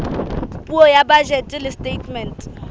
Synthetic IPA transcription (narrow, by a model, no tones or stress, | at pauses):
pʼuɔjabad͡ʒɛtʼɪlɪstʼetʰmɛntʼ